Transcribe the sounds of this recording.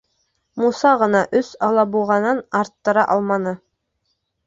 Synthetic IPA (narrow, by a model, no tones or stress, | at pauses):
musɑʁɤ̆nɑʔɵsɑlˠɑbulˠʁɑnɤnɑɾt̪ːɤ̆ɾɑʔɑlˠmɑnɤ